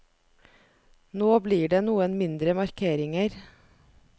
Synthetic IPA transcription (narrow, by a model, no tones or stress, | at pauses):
noːbliːɖeːnuːənmɪnd̪ɾəmɑɾkʰeːɾɪŋəɾ